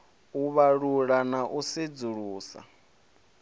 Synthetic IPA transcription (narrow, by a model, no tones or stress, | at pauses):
uβaɺuɺanaʔusid͡zuɺuːsa̰